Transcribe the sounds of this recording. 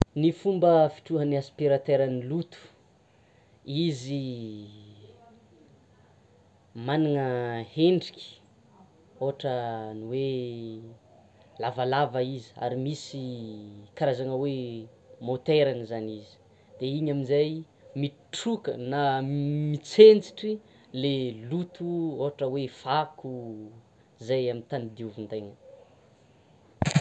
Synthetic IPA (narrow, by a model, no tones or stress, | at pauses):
nifumbəfi̥ʈ͡ʂuɦəniaspiɾat̪eɾanilut̪u̥ | izi | maniŋəheɳɖ͡ʐikʲi̥ | oʈ͡ʂəniwe | lavalavəizi̥a̰ɾimisi | kaɾazaŋəwe | mot̪eɾanizanizi̥ | d̪̥eiɲaminzaj | mi | ʈ͡ʂukə̰namit͡sent͡si̥ʈ͡ʂi | lelut̪uoɦaʈ͡ʂəwefaku | zajamint̪anid̪iuvund̪ajŋə